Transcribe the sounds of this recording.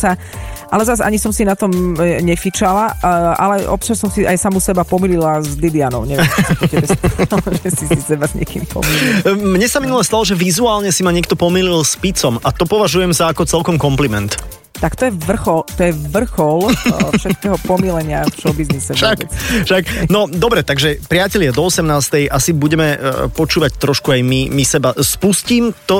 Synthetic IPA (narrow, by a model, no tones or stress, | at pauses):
sa | ʔalɛzaza̰ɲisɔmsinat̪ɔmɲɛfit͡ʃalaa̰lɛʔɔ̰pt͡ʃassɔmsia̰jsamusɛbapɔmililazlid̪ianɔʊɲɛʋjɔkkɛbɛst̪lʒɛsisisɛbazɲɪɛkḭːmpɔ̰milimɲɛsaminulɛst̪alɔʒɛʋizuaːlɲɛsimaɲɛkt̪ɔpɔmililˠspit͡sɔmat̪ɔpɔʋaʒujɛmzaːkɔt͡sɛlkɔmkɔmplimɛ̰nt̪ | t̪akt̪ɔjɛʋr̩xɔlt̪ɔjɛʋr̩xɔlfʃɛt̪̚kɛːɦɔpɔmilɛɲɪaft͡ʃɔbiznnisɛʃaʃaknɔd̪ɔbɾɛt̪aɡʒɛpɾɪacɛʎɪad̪ɔɔsɛmnaːst̪ɛjʔasibuɟɛmɛpɔt͡ʃuːʋact̪ɾɔʃkuajmimisɛbaspusciːmt̪ɔ